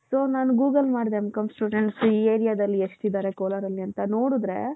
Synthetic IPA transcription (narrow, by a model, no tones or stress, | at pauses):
soːnaːnuɡuːɡɐlmaːɖd̪emkɐmsʈuːɖeɳʈsiːeːɾijaːd̪ɐlːieʂʈ̪id̪aːɾe̞koːlɐɾɐlːiɐnt̪ɐnoːɽud̪ɾe̞̰ː